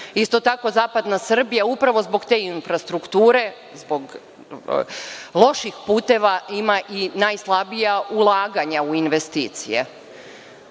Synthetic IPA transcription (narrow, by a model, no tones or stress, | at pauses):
ist̪o̞t̪ako̞zaːpad̪nasr̩bijaupɾaʋo̞zbo̞ɡt̪e̞ːinfɾast̪ɾukt̪uːɾe̞ | zbo̞ɡ | lˠo̞ʃixpuːt̪e̞ʋaimaʔinajslˠabijaʔulˠaːɡaɲauinʋe̞st̪iːt̪sijḛ